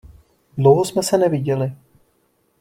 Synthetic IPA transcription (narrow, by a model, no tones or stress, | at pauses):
dlowɦosmɛsɛnɛvɪɟɛlɪ